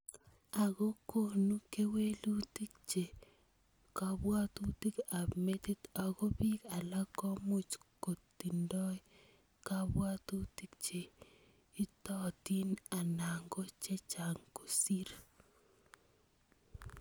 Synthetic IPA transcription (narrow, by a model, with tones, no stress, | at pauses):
a˨ɣo˦ko˨nu˦ke˦we˦lu˦ti˦k̚t͡ʃe˨ | ka˨bwa˦tu˦ti˦ka˨me˦ti˦t̪a˨ɣo˦bi˦ka˨la˦kɔ˦mu˦t͡ʃko˨ti˨ndɔ˦j | ka˦bwa˦tu˦ti˦k̚t͡ʃe˨ | i˦tɔ˦ti˦na˨na˨ŋɡo˦t͡ʃe˦t͡ʃa˨ŋko˨si˦ɾ